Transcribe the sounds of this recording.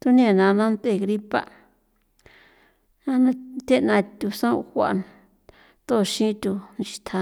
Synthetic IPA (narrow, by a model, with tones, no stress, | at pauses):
t̪u˦nĩ˦e˨nã˧nã˦nt̪e˦˨ɣɾi˦pa̰˦˨ | nã˦nã˦t̪ʲe˦nã˧t̪ʲu˧sã˦˧xʷa̰˨ʔ | t̪o˦˨˧ʃĩ˦t̪u˧nĩ˧ʃi̥˧t̪ʰa˧